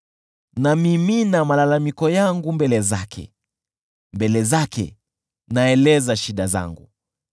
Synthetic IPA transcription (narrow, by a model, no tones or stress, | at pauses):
namiminamalalamikɔjaŋɡumbɛlɛza̰kʰɛ̰ | mbɛlɛzakʰɛ̰ | naɛlɛzaʃiɗaza̰ŋɡṵ